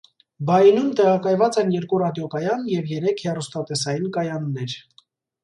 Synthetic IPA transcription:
bɑjinumt̪ɛʁɑkɑjvɑt͡sɛnjɛɾkurɑd̪jɔkɑjɑnjɛvjɛɾɛkʰhɛrust̪ɑt̪ɛsɑjinkɑjɑnːɛɾ

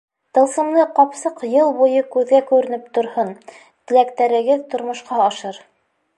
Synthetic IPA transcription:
t̪ɤ̆lˠsɤ̆mlˠɤqɑpsɤqjɤlˠbujɤkʉðɡækʉɾɘ̆nɘpt̪ŏɾhɤn | t̪ɘ̆lækt̪æɾɘ̆ɡɘðt̪ŏɾmŏʃqɑɑʃɤɾ

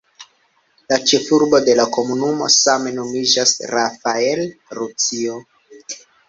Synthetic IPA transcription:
lat͡ʃe̞fuɾbo̞de̞lako̞munumo̞̰same̞no̞mid͡ʒasɾafaelɾut͡sio̞

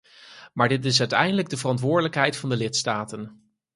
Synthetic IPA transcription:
maːɹdɪtɪs̬œɥtɛ̰jndələɡ̚dəvərɑntʋʊːɹdələkɦɛjtfɑndəlɪtstaːtən

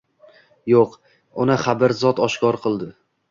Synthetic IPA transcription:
joq | ʊnɪχabɪɾzɒt̪ɒʃkʰɒɾqʰɨlˠd̪ɪ

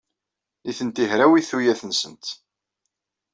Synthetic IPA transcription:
iθənt̪ihɾæwiθujæθənsənt̪

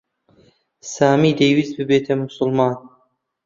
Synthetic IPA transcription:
saːmiːd̪ejwizbɨbeːt̪ʰɐmʊsʊlˠmɑːn

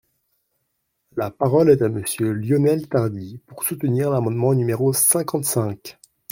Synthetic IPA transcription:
lapaʁɔlɛt̪aməsjøljɔnɛlt̪aʁd̪ipuʁsut̪əniʁlamɑ̃d̪mɑ̃nymeʁosɛ̃kɑ̃t̪sɛ̃k

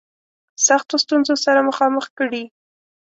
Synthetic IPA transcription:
saxt̪ost̪unzosaɾaməxɑməxkəɽi

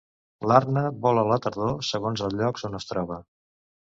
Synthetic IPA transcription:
laɾnəβɔlələt̪əɾðosəɣonzəlˠʎɔkzonəst̪ɾɔβ̞ə

